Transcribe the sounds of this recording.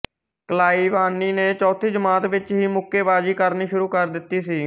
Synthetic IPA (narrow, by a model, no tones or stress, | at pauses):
kəlaːiːʋaːnːiːneːt͡ʃɔːt̪ʰiːd͡ʒəmaːt̪ʋɪt͡ʃɦiːmʊkːeːbaːd͡ʒiːkəɾniːʃʊɾuːkəɾd̪ɪt̪ːiːsiː